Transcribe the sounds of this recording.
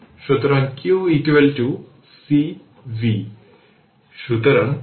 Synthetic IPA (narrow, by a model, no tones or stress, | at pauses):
ʃut̪ɾɐnkjuːikʋelʈu | si | ʋi | ʃut̪ɾɐn